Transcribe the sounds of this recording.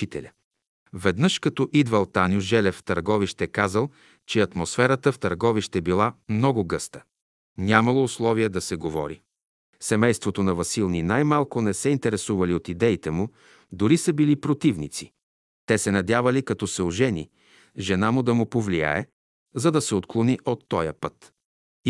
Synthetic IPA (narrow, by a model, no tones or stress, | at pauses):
it̪ɛ̰lʲə | vɛd̪nɤʃkɐt̪ɔʔid̪vɐlˠt̪anʲjʊʒɛlɛft̪ɐɾɡɔviʃt̪ɛkazəlˠ | t͡ʃɛɐt̪mosfɛɾət̪əft̪ɐɾɡɔviʃt̪ɛbilˠamnɔɡʊɡɤst̪ə̥ | nʲamɐlˠoːslˠɔviɛd̪ɐsɛɡovɔ̰ɾi | sɛmɛjst̪vot̪onɐvɐsilˠninajmalˠkʊnɛsɛint̪ɛɾɛsuvɐliot̪id̪ɛit̪ɛmʊ | d̪ʊɾisəbilipɾot̪ivnit̪si | t̪ɛsɛnɐd̪ʲavɐlikɐt̪ɔsɛʊʒɛnḭ | ʒɛnamʊd̪ɐmʊpovlija̰ɛ̰ | zɐd̪ɐsɛot̪klˠoniʔot̪ːɔjəpət̪